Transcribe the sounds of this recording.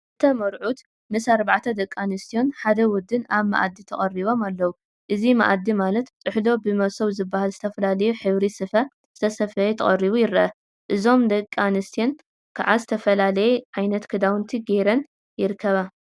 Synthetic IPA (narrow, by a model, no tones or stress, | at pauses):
ʔɨt̪ʰɐmɐɾʕut̪ | mɨsaɾbaʕt̪ʰɐd̪ɐkʼːanɨst̪ʰijo̞nħad̪ɐwɔd̪ːɨnaβma̰ʔa̰d̪ːit̪ʰɐχʼɐriβo̞malːɐwu | ʔɨzima̰ʔad̪imalɐt̪t̪ʼɨħlo̞bɨmɐβsoβzɨbːahalzɨt̪ʰɐfɐlalɐjuħɨβɾisɨfɐ | z̥ɨt̪ʰɐsɐfɐjɛt̪ʰɐχʼɐriβujɪɾɐʔɐ | ʔɨzo̞md̪ɐkʼːanɨst̪ʰijo̞n | kʰaʕazɨt̪ʰɐfɐlalɐjɛʕajnɐt̪kʰɨd̪awnt̪ʰiɡeɾɐn | jɪɾɨkʰːɐβa